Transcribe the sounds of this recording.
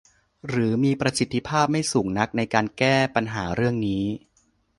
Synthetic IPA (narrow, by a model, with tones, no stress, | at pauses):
ɾɯː˩˦miː˧pɾa˧si˨˩t̪ʰːi˦˥pʰaː˥˩p̚ma˥˩jsuː˩˦ŋna˦˥k̚na˧jkaː˧nkɛː˥˩pa˧nɦaː˩˦ɾɯ˥˩əŋniː˦˥